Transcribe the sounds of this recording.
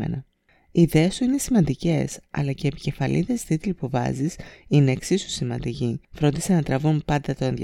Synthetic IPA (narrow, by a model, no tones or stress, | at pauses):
ḛnɐ | iːðe̞est̪uine̞simɐnd̪ice̞̰sɐ̰lɐceepi̥ce̞fɐlʔḭðe̞st̪it̪ilpuvɐ̰zisine̞ːksisu̥simɐ̰nd̪icifɾo̞nd̪isenɐt̪ɾɐvumpɐnd̪ɐt̪o̞enð